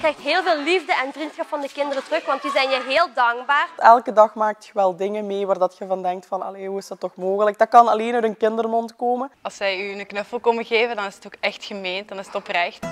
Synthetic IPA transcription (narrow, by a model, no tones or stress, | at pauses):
krɛjxtɦeːlˠveːlˠlivdəʔɛnvrinsxɑpfɑndəkɪndərətərɵxʋɑntjəzɛjnjəɦeːlˠdɑŋɡbaːrɛlˠkədɑxmaːk̚txəʋɛlˠdɪŋəmeːʋaːrdɑtxəvɑndɛŋk̚tfɑnɑ̰leɦuːɪsd̥ɑtːɔxmoːɣələk̚dɑkɑnɑleːnœɥtənkɪndərmɔntkoːmənɑlˠsʋɛjynəknɵfəlˠkɔməɣeːvəndɑnɪsətoːkɛxtxəmeːntdɑnɪsətɔprɛxt